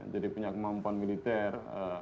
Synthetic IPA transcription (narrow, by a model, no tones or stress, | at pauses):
d͡ʒadipuɲakəmampuanmilit̪ɛrə